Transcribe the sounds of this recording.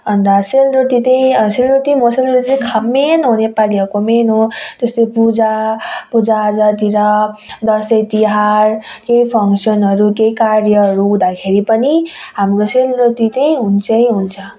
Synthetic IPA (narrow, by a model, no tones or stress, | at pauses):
ʌnd̪aselɾut̪it̪ʌj̃selɾut̪imoselɾut̪it̪kʰamːenɦunepaliakomenɦot̪est̪epud͡zapud͡zaːd͡zat̪iɾʌd̪ʌsʌjt̪iɦarkeipʰʌŋsʌnɦʌɾukejkaɾjʌɦʌɾuɦd̪akʰeɾipʌniɦamroselrut̪it̪ʌj̃ɦunt͡sʰʌj̃ɦunt͡sʰʌ